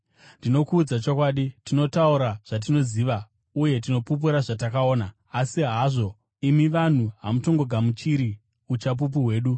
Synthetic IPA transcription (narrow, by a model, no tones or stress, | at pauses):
ndino̞kuːd͡zat͡ʃo̞kwaːɗitino̞tauɾaʐ̥at̬ino̞ziːʋa | uje̞t̬ino̞pup̬uɾaʐatakao̞ːnaː | siɦaʐo̞ | imiʋan̤uɦa̰muto̞ŋɡo̞ɡʱamut͡ʃiɾi | ut͡ʃap̬up̬uɦwe̞ːɗu